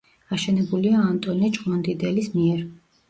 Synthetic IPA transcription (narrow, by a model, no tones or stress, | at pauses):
aʃɛnɛbuliaːnt̪ʼɔnit͡ʃʼqʼmɔnd̪id̪ɛlismiɛɾ